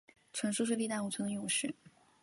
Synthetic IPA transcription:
ʈ͡ʂʰwə˧˥ŋʂu˥˧ʂɻ̩˥˧li˥˧t̪a˥˩u˧˩t͡sʰwə˥nə˧jʊ˥˧ŋʂɻ̩˥˩

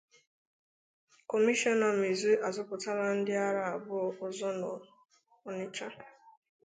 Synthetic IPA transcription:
kɔ˨mi˦ʃɔ˦nɔ˨m̩i˨zu˦a˨zʊ˦pʊ˨ta˦ɾa˦n̩˦dɪ˦a˦ɾa˦a˨bʊ˦ʊ˨zɔ˦nɔ˨ | ɔ˨nɪ˦t͡ʃa˦

